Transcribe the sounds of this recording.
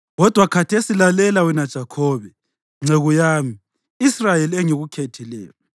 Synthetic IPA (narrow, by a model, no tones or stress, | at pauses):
ɣɔd̥ʱwakʰatʰesilalɛlawɛnad̥ʒ̥ʱakʰɔːβɛ | ŋ͡ǀeɣujaːmi | israjelɛŋiɣukʰetʰilɛ̰ːjɔ